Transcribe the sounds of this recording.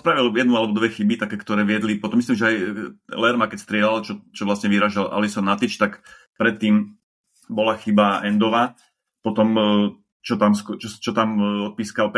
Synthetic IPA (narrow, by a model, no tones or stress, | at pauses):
spɾaʋiljɛd̪nualɛbɔd̪ʋɛxibit̪akɛːkt̪ɔɾɛːʋɪɛd̪lipɔt̪ɔmːisliːmʒɛajlɛɾmakɛcst̪ɾɪɛlalt͡ʃɔt͡ʃɔʋlasɲɛʋiɾaʒala̰lisɔnat̪it͡ʃt̪ak | pɾɛt̪ːiːm | bɔlaxibaɛnd̪ɔʋaː | pɔt̪ɔm | t͡ʃɔt̪amskt͡ʃɔt͡ʃɔt̪amɔt̪̚piːskalp